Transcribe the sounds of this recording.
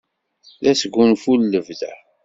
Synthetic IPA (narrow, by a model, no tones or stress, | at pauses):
læsəɡːunfulːəvðæ̰